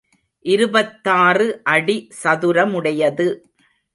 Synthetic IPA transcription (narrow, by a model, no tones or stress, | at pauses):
ʔɪɾɯbɐt̪ːaːrɯʔɐɽisɐðɯɾɐmɯɽɐjɐðɯ